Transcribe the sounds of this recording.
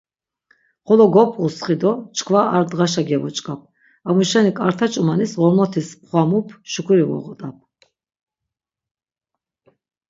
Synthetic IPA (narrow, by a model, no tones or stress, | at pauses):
χɔlɔɡɔpʼusχid̪ɔt͡ʃʰʼkʰvaaɾd̪ʁaʃaɡɛvɔt͡ʃʼkʼap̚ʰ | amuʃɛnikʼaɾt̪ʰat͡ʃʼumanisʁɔɾmɔt̪ʰispχwamupʰʃukʰuɾivɔ̰ʁɔt̪ʼapʰ